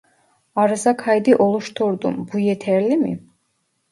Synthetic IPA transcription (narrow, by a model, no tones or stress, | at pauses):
ɑɾɯzakʰajd̪iʔɔlˠuʃt̪ʰuɾd̪ṵmbujɛt̪ʰɛɾlimḭ